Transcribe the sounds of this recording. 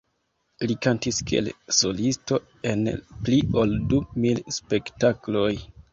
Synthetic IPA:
likantiskḛlso̞listo̞ | e̞̰nplio̞ldumilspe̞ktaklo̞j

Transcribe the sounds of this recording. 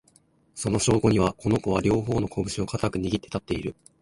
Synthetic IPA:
so̞no̞ɕo̞ːɡo̞ɲ̟iβako̞no̞ko̞β̞aɾʲo̞ːɦo̞ːno̞kʰo̞bɯ̟ɕio̞kat̪akɯ̟ɲ̟iɡʲit̪ːe̞t̪at̪ːe̞iɾɯ̟

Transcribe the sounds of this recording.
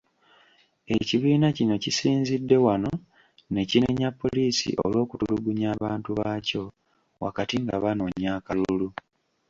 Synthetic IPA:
e̞ciβiːnacino̞cisiːnzidːe̞wano̞ | ne̞cineɲapːo̞liːsḭʔo̰lwo̞ːkutuluɡuɲaːβaːntuβaːco̞ | wa̰katiŋɡaβano̞ɲaːkalulu

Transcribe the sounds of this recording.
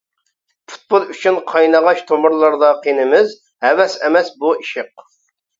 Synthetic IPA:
pʰu̥t̪̚bolˠyt͡ʃʰynqʰɑjnəʁɑʃt̪ʰomʊɾlˠɑɾd̪ɑqʰenɪmɪz | hɛwɛsɛmɛsbuiʃɪq̚

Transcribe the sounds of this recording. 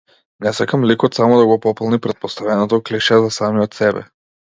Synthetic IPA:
nɛsakamlikɔt̪samɔd̪aɡɔpɔplˠnipɾɛt̪̚pɔst̪avɛnɔt̪ɔkliʃɛzasamijɔt̪sɛbɛ̰

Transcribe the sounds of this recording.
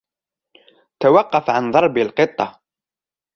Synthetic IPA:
t̪awɑqːɑfʕanðˤɑɾˤbɪlqɨt̪ˤːɑ

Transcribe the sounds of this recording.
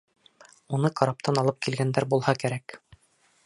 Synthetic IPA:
unɤqɑɾɑp̚t̪ɑnɑlˠɤp̚kilɡænd̪æɾbulˠhɑkæɾæk

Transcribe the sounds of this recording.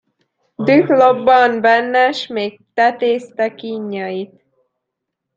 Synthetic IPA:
d̪yklobːɒmbɛnːɛʃmeːk̚t̪ɛt̪eːst̪ɛkiɲːɒjit̪

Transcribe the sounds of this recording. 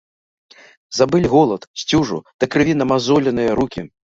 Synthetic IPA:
zabɨlʲɣɔlˠɐt̪sʲt͡sʲuʐṵd̪̥ɐkɾɨvʲinɐmazɔlʲɐnɨjɐɾukʲi

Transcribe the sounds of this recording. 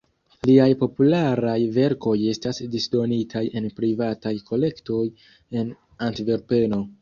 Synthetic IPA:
liajpo̞pulaɾajve̞ɾko̞je̞stasdisdo̞nitʰaje̞npɾivatajko̞le̞kto̞j | e̞n | antiveɾpe̞no̞

